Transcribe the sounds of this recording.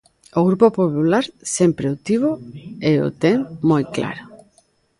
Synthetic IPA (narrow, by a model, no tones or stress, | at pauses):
oɣɾupopopulaɾsempɾeot̪iβoeo̰t̪eŋmojkla̰ɾo